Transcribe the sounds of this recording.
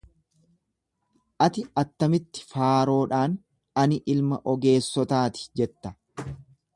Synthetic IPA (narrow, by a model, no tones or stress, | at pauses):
ʔɐt̪ɪɐt̪ːɐmɪt̪ːɪ̥faːɾo̞ːᶑaːn | ɐnɪʔɪlmɐʔɔɡe̞ːsːɔt̪aːt̪ɪ̥d͡ʒɛt̪ːɐ̥